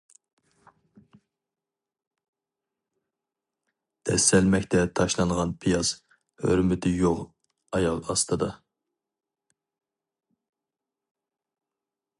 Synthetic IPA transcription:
d̪̥ɛsːɛlmɛkʲt̪ʰɛt̪ʰɑʃlˠɑŋʁɑnpʰijɑz | hø̰ɾmɪt̪ʰɪjoʁ | ɑjɑlˠɑst̪ɨd̪ɑ

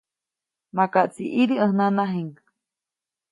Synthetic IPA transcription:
makaʔt͡siʔiɾiə̃hnanaɦeŋk

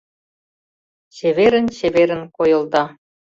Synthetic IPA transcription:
t͡ɕeβeɾə̆nt͡ɕeβeɾə̆nkojɤ̆ld̪ɑ

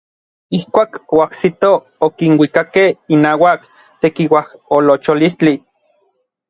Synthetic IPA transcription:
ihkʷaːkoaksit̪o | okinwikakehinaːwak | t̪ekiwaholot͡ʃolist͡ɬi

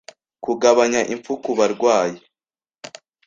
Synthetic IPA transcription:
kuɡaβaɲaʔiɱfukuβaɾɡwaːje

